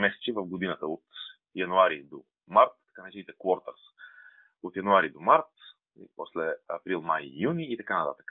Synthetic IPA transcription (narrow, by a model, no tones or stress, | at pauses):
mɛsɛ̥t͡ʃivɐvɡod̪inət̪əot̪ | jɐnuaɾid̪o | maɾt̪ːɐ̥kanət͡ʃinit̪ɛkvɔɾt̪ə̰ɾs | ot̪jɐnuaɾid̪omaɾt̪ | pɔ̰slɛɐ̰pɾilˠmajːuniːt̪ɐkanɐt̪a̰t̪ə̥k